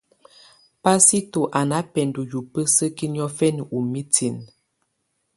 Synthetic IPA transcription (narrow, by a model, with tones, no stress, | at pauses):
pa˦si˦to˨ʔa˨na˦pɛ˨ndu˨ju˨pə˦sə˦ki˦njɔ˦fɛ˦n˨u˨mi˦ti˨n